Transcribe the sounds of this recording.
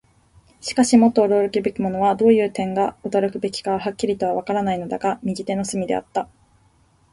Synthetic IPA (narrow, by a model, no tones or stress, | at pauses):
ɕi̥kaɕimo̞t̪ːo̞ːɾo̞ːɾɯkʲibe̞kʲimo̞no̞βad̪o̞ːjɯ̟ːt̪ẽ̞ŋɡaɯt̪aɾɯkɯ̟be̞kʲi̥kaβaɦakʲːiɾʲit̪o̞β̞aβakaɾanaino̞d̪aɡamʲiɡʲit̪e̞no̞sɨmʲid̪ḛa̰t̪ːa